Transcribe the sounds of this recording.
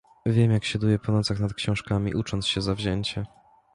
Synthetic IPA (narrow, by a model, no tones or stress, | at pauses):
vʲjɛmjakɕad̪ujɛpɔnɔt̪saxnat̪̚kɕɔ̃w̃ʂkamʲḭʔut͡ʂɔnt̪sɕɛzavʑɛɲt͡ɕɛ